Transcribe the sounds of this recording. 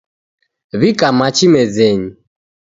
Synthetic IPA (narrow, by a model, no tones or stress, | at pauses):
βikʼamat͡ʃimɛd͡zɛɲi